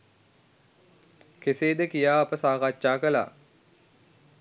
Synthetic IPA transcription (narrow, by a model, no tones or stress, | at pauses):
keseːd̪əkijaːɐpəsaːkatːʃaːkəla̰ː